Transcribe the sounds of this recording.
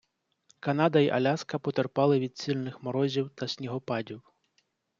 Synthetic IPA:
kɐnɑd̪ɐiʔɐlʲaskɐpɔt̪erpɑlˠɪʋʲid̪̚ʲt͡sʲilʲnɪxmɔɾɔzʲiwt̪ɐsʲnʲiɦɔpɑdʲiw

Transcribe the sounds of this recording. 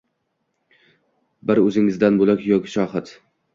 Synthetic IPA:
bɪɾɵzɪŋɪzd̪anbolˠakʲjɒkʲɪ̥ʃɒhɪt̪

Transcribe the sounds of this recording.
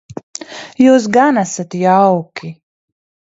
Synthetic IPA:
juːs̬ɡanasat̪jawkʲʰi

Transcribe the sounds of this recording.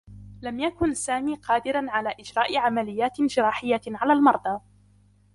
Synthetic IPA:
lamjakʊnsaːmiːqɑːd̪ɪɾanʕalaːʔɪd͡ʒɾɑːʔɪʕamalɪjːaːt̪d͡ʒɪɾˤɑːħɪjːaʕalaːlmɑɾˤd̪ˤɑ

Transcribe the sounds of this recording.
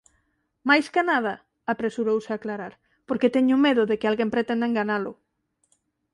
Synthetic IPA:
majskanaðɐ | apɾesuɾowsɪaklaɾaɾ | poɾket̪eɲʊmeðʊðekɪalɣempɾet̪end̪eŋɡanalʊ

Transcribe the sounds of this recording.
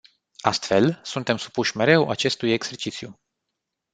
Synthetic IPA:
ast̪fe̞lsunt̪e̞msu̥puʃʲme̞ɾe̞wʔa̰t͡ʃe̞st̪uje̞ɡz̥e̞rt͡ʃit̪siju

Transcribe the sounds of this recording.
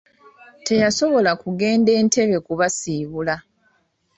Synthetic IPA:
te̞jaso̞βo̞lakuɡe̞ːnde̞ːntʰe̞βe̞kuβasiːβula

